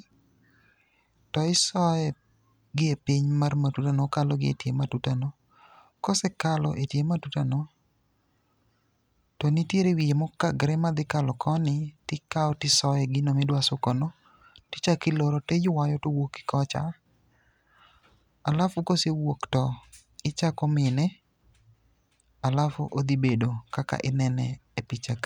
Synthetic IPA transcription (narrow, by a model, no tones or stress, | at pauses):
tɔɪsɔɛ | ɡɪepiɲmarmatutanɔkalɔɡɪḛtjematutanɔ | kɔsɛkalɔʔetjematutanɔ | tɔnitjeɾewijemɔkaɡɾɛmad̪ɪkalɔkʰɔnɪtɪkaɔtɪsɔɛɡɪnɔmɪdwasʊkɔnɔ | tɪ̥t͡ʃakɪloɾɔtejʊwajɔtowoki̥kɔt͡ʃa̰ | alafʊkosewoktɔ | ɪt͡ʃakɔmɪnɛ | alafo̰ʔod̪ibedokaka̰ʔɪnɛnɛepit͡ʃak